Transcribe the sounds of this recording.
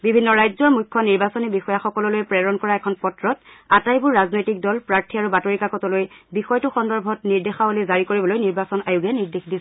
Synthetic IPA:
bibʱinːɔɹajzɔɹmujkʰːɔniɹbasɔnibixɔjaxɔkɔlɔlojpɹɛɹɔnkɔɹaɛkʰɔnpɔtɹɔtatajbʊɹːaznojtik̚dɔlpɹaɹtʰiaɹubatoɹikakɔtɔlojbixɔjtʊxɔndɔɹbʱɔtniɹdexabolizaɹikoɹibɔlojniɹbasɔnajuɡijaniɹdexdis

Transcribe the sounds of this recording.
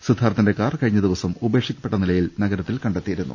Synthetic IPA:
sud̪ʱaːɾɐt̪ːinde̞kaːrkɐɻiɲːɐd̪iʋɐsɐmube̞ːʂikʲːɐ̥pːeʈːɐnilɐjilnɐɡɐɾɐt̪ːilkɐɳɖet̪ːijiɾunːṵ

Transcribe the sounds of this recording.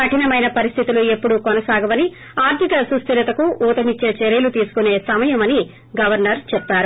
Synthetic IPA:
ɐʈʰinɐmɐjnɐpɐɾist̪ʰit̪ulue̞pːuɽukɔnɐsaːɡɐʋɐni | aːɾt̪ʰikɐsust̪ʰiɾɐt̪ɐkuʔuːt̪ɐmit͡ʃːeːt͡ʃeɾijɐlut̪iːsu̥kune̞ːsɐmɐjɐmɐni | ɡɐʋɐɾnɐɾt͡ʃɛp̚t̪ːaːɾu

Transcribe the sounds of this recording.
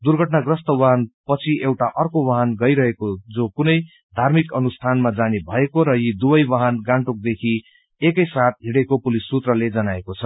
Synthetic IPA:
d̪urɡʱʌʈnaɡrʌst̪ʌwaɦanpʌt͡sʰiʔewʈaʔʌrkowʌɦanɡʌjɾʌɦekod͡zokunʌj | d̪ʱarmikʌnust̪ʰanmad͡zanebʱʌekoɾʌjid̪ubʌjwʌɦanɡãɳʈuk̚d̪ekʰi | ekʌjsat̪̚ɦiɽekopulisːut̪rʌled͡zʌnaekot͡sʰʌ

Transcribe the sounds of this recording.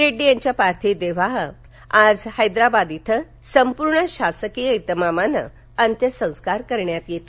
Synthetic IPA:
ɾeɖːijãɲt͡ɕjapaɾt̪ʰid̪eʋ̤aɦə | ad͡zhəjd̪ɾabad̪it̪ʰə | səmpuɾɳəɕasəkijəit̪əmamanə̰ | ənt̪jəsə̃w̃skaɾkəɾɳjat̪jet̪i

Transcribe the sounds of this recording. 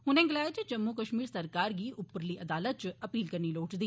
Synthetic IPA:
ɦʊnẽːɡɪlaːet͡ʃd͡ʒɐmːukəʃmiːɾsɐɾkaːɾɡiːʔʊpɾliʔɐd̪aːlət̪̚t͡ʃɐpiːlkɐɾniloːʈd̪iː

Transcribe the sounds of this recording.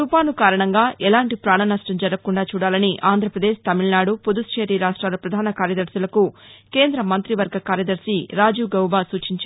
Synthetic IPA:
upaːnukaːɾɐɳɐŋɡaːʔɛlaːɳʈipɾaːɳɐnɐʂʈɐmd͡ʒɐɾɐkːuɳɖaːt͡ʃuːɽaːlɐniʔaːnd̪ʱɾɐpɾɐd̪eːʃt̪ɐmiɭnaːɽupud̪ust͡ʃeːɾiɾaːʂʈɾaːlɐpɾɐd̪ʱaːnɐkaːɾjɐd̪ɐɾsulɐkuke̞ːnd̪ɾɐmɐnt̪ɾiʋɐɾɡʱɐkaːɾjɐd̪ɐɾsiɾaːd͡ʒuːɡɐwbaːsuːt͡ʃiɲt͡ʃː

